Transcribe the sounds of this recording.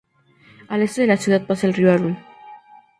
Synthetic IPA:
alest̪eðelasjuðat̪̚pasaelrialun

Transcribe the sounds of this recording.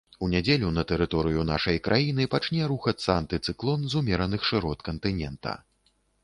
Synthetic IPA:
unʲad͡zʲelʲunɐt̪ɛɾɨt̪ɔɾɨjuna̰ʂɐjkɾʔajinɨpat͡ʂnʲɛɾuxɐsɐant̪ɨt̪sɨklˠɔnzumʲɛɾɐnɨxʂɨɾɔt̪kɐnt̪ɨnʲɛnt̪ɐ̰

